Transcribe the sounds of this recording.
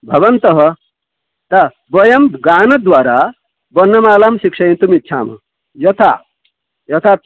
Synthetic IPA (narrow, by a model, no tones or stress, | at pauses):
bʱɐʋɐnt̪ɐɦʌ | t̪ɐ | bɐjɐmɡaːnɐd̪ʋaːɾaː | bɐnːɐmaːlaːmʃikʂɐjint̪umitːʃʰaːmɐ̰ | jɐt̪ʰa̰ | jɐt̪ʰaːt̪̚